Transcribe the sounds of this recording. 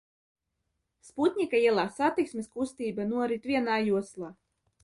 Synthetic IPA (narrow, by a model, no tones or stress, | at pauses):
sput̪ʲɲʲikaiɛlˠaːsat̪iksmʲiskust̪iːbanuɔɾit̪vʲiɛnaːjuɔslˠaː